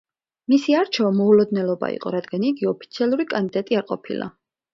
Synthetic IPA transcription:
misiaɾt͡ʃʰɛvamɔulɔd̪nɛlˠɔba̰ḭqʼɔ̰ɾad̪ɡaniɡiɔpʰi̥t̪sʰialˠuɾikʼand̪id̪at̪ʼiaɾqʼɔ̰pʰḭlˠa̰

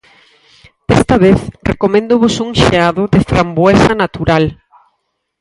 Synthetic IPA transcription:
ɛst̪aβeθrḛkomẽnd̪ʊβosuŋʃḛaðʊðɪfɾambwɛsanat̪uɾal

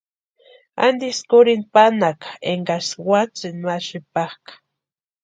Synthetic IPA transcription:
a̰nd̪iskʊɾinpanakḁeŋɡaswat͡sɪnaʃɪpahkḁ

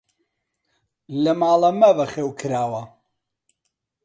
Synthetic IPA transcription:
lɐmaːlɐmɐbɐχeːwkʰɨɾaːwɐ

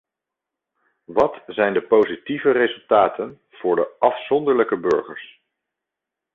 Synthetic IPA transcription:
ʋɑtzɛjndəpowzitivərezɵlˠtaːtən | v̥ʊːɹdəʔɑfsɔndəɹləkəbɵ̰ɹχə̰ɹs

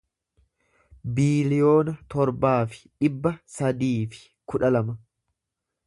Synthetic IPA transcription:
biːlɪjo̞ːnɐt̪ɔɾbaːfɪ̥ᶑɪbːɐsɐd̪iːfɪ̥ | kʊᶑɐlɐmɐ

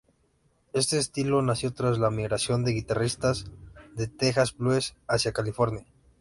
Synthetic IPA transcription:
e̞st̪e̞ːst̪ilo̞nasjo̞t̪ɾazlamiɣɾasjo̞nd̪e̞ɣit̪arist̪azðe̞t̪e̞xazbluesasjakalifo̞ɾnja

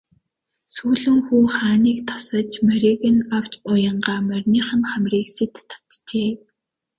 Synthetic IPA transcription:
suːɮɘ̆ŋxuːχaːniːk̚t̪ʰɔ̥sɞ̆t͡ɕmæɾʲiɣɘ̆naw̥t͡ɕʊjə̆ɴɢaːmærʲniːχə̆nχæmrʲiːkset̪ːʰḁt̪t͡ɕeː

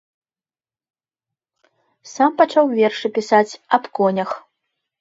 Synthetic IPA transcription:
sampat͡ʂawvʲɛrʂɨpʲisat͡sʲɐpkɔnʲɐx

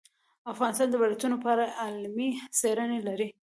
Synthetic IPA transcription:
afɣɑnɪst̪ɑnd̪əbalajt̪unopɑɾaʔalmiseɾənelaɾi

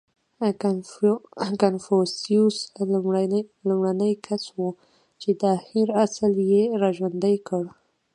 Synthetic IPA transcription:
kanfosius | lumɽanəjkʰaswu | t͡ʃed̪ahiɾasljeɾɑʒwand̪əjkəɽ

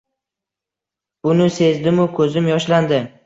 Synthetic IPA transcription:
ʊnɪse̞zd̪ɪmʊkʰɵzɪmjɒʃland̪ɪ

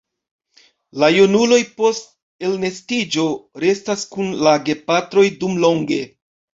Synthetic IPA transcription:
lajunulo̞jpo̞st̚ | e̞lne̞stid͡ʒo̞ɾe̞staskunlaɡe̞patɾo̞jdumlo̞ŋɡe̞

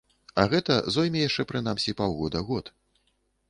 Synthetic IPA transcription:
ɐɣɛt̪ɐzɔjmʲɛjaʂt͡ʂɛpɾɨnamsʲipawɣɔd̪ɐɣɔt̪

